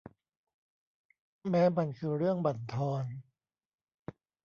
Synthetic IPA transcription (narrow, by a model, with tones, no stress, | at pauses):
mɛː˦˥ma˧nkʰɯː˧ɾɯ˥˩əŋba˨˩nt̪ʰɔː˧n